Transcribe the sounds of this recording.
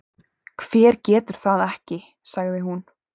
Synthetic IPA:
kʰv̥ɛːɾ̥cɛːt̪ʏɾ̥θaðɛhcɪ | saɣðɪɦun

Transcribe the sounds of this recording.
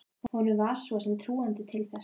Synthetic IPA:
hɔnʏmvaɾ̥sɔsɛmt̪ʰɾuːant̪ɪt̪ʰɪlθɛs

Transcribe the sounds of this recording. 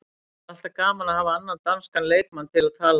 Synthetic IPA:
aht̪akaːmanahaːvaanːant̪anskanleːjt̪manːt̪ʰɪlaðt̪ʰaːl

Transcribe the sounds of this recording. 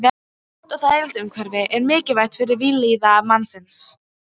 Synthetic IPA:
vɛ̥ | t̪ɔθaðejlt̪ʏmkʰvɛɾvɪʔɛɾmɪːcɪvajt̪fɪɾɪɾviːliːðaːvmanːsɪns

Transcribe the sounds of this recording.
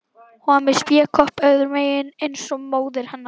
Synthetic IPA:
hɔmɪst̪jɛːkʰɔhpœɣðʏɾmeːjɪnejnsɔmoːwðɪɾ̥hɛnːa

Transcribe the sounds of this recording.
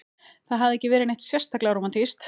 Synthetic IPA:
θaðɦavðɛcːɪvɛːɾɪneht̪sjɛ̥st̪aklɛɣaɾomant̪ʰist̪

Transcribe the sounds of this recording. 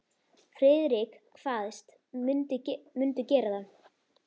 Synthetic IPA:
fɾɪːðɾɪkkʰvaːðɪst̪ | ʏnt̪ɪmʏnt̪ʏcɛːɾaðan

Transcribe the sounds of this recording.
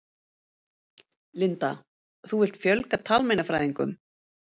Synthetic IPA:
lɪnt̪a | θuvɪl̥t̪fjœlkat̪ʰaːlmejnafɾaːjðiŋkʏ̰m

